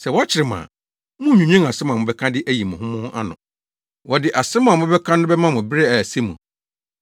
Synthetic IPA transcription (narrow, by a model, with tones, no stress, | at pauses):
sɛ˨wɔ˦a˦t͡ɕʰɪ˨ɾɪ˨mã̰ː˨ | mʊ̃˦˨ɲᶣũ˨ɲũ˦ŋ˨a˨sɪ˦mã˨ʊ̃˦bɛ˦kʰã˦dɪ˦ʔæ˦ji˨mʊ̃˨ɦʊ̃˦mʊ̃˦ʔa̰˦nʊ̰̃˨ | wʔɔ˨dɪ˨ʔa˨sɪ˦m˦ã˨ʊ˦bɛ˦kʰã˦nʊ̃˦bɛ˦mã˦mʊ̃˨bɾe˦æ˨si˦mṵ̃˨